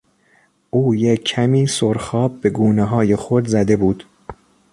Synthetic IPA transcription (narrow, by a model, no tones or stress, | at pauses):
ʔuːjeːæmiːsoɾxɒːb̚be̞ɡuːneɦɒːje̞xod̪zæd̪e̞buːd̪̥